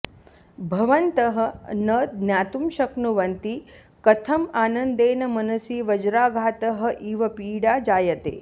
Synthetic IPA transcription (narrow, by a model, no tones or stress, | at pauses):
bʱɐʋɐnt̪ɐɦə̆nɐd̪̚njaːt̪umʃɐknuʋɐnt̪i | kɐt̪ʰɐmaːnɐnd̪eːnɐmɐnɐsiːʋɐd͡ʒɾaːɡʱaːt̪ɐɦɐ̆ʔiːʋɐpiːɽaːd͡ʒaːjɐt̪ḛː